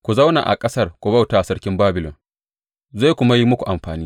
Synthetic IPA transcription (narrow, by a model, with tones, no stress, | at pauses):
kʷu˨za˦wna̰ː˨ʔa̰˨kʼɐ˦sɐ˦rkʷu˨ba˦˨wtaː˨ʔa˨sɐ˦ɽkʲɪ˦mbaː˦bɪ˨lɔ˨ŋ | za˦˨jkʷʊ˦ma˦ji˦mʊ˦kʷu˨ʔa˨mɸaː˨niː˦